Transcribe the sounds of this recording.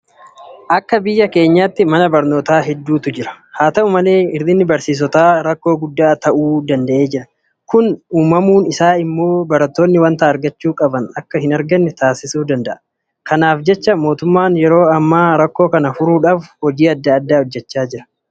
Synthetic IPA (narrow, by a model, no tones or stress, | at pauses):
ʔɐkːɐbɪjːɐke̞ːɲːaːt̪ːɪmɐnɐbɐɾno̞ːt̪aːɦɛd̪ːuːt̪ʊd͡ʒɪɾɐ̥haːt̪ɐuːmɐle̞ːɪɾd̪ɪnːɪbɐɾsiːs̬ɔt̪aːɾɐkːo̞ːɡʊd̪ːaːt̪ɐʔuːd̪ɐnd̪ɐʔeːd͡ʒɪɾɐ | kʊnuːmɐmuːnɪsaːɪmːo̞ːbɐɾɐt̪ːo̞ːnːɪwɐnt̪aːɐɾɡɐt͡ʃːuːkʼɐbɐnɐkːɐhɪnɐɾɡɐnːɛt̪aːsɪsuːd̪ɐnd̪ɐʔɐ | kɐnaːfd͡ʒɛt͡ʃːɐmo̞ːt̪ʊmːaːnjɛɾo̞ːɐmːaːɾɐkːo̞ːkɐnɐfʊɾuːᶑaːfhɔd͡ʒiːɐd̪ːɐːd̪ːaːhɔd͡ʒːɛt͡ʃːaːd͡ʒɪɾɐ̥